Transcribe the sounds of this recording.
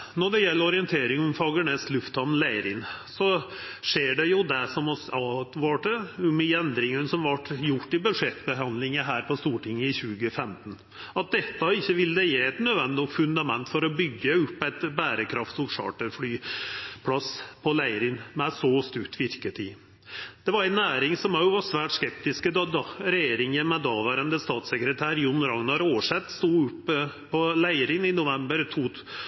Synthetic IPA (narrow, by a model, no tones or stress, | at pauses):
nɔɖɛjɛlːəɾɔɾɪənt̪ʰeːɾɪŋɔmfɑɡəɳɛst̪lʉft̪hɑnn̩læɪɾɪnsɔʂeːɖɛjʊd̪ɛsɔmɔsɑt̪ʋɑːʈəʉmɪɛnd̪ɾɪŋənsɔmʋɑʈːjʊʈːɪbʉʂɛt̪ːbəɦɑnlɪŋəɦæːɾpʰɔst̪uːʈɪŋːəɪçʉːɡəfɛmt̪n | ɑt̪̚d̪ɛt̪ːɑɪçːəʋɪld̪ɛjeːɛt̪nøːd̪ʋɛnd̪ɪnɔt̪fʉnd̪ɑmɛnt̪fɔɾɔbʏɡːəʉpːæɪt̪bæːɾəkʰɾɑft̪ɔʂɑ̰ːʈəɾflyːpʰlɑspʰɔlæɪəɾɪŋmɛsɔst̪ʉkt̪ʰʋɪɾkət̪ʰiː | d̪̥ɛʋɑɾæɪnæːɾɪŋsɔmæʊʋɑsʋæːʈskɛp̚t̪ɪskəd̪d̪ɑɾɛjeːɾɪŋənmɛd̪ɑʋəɾənd̪əst̪ɑːt̪sɛkɾət̪ʰæːɾjʊnɾɑŋnɑɾoːəʂɛt̪ːst̪uːʉpʰː | ɔlæɪəɾɪŋɪnʊʋɛmbəɾt̪ʰuː